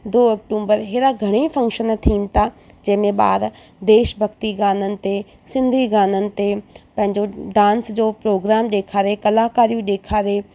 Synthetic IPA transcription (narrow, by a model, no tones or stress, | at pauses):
d̪oːɐk̚ʈuːmbəɾɦeːɾaɡʱɐɽ̃ifʰɐ̃ŋkʃənt̪ʰiːn̆t̪ʰa | d͡ʑɐɦɪmẽɓa̰ːɾ | d̪eːʃbʱɐɡt̪iɡaːnənɪ̆t̪e | sɪ̃nd̪ʱiɡaːnənɪ̆t̪epɐ̃ɦɪ̃ɲd͡ʑoɖãːnsd͡ʑoːpɾoːɡɾaːmɗeːkʰaːɾekɐlaːkaːɾijũɗeːkʰaːɾeː